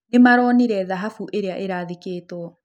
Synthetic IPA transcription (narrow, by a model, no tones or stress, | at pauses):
nemaɾɔːniɾɛðaɦafuʔeɾeaʔeɾaːðekeːtɔɔ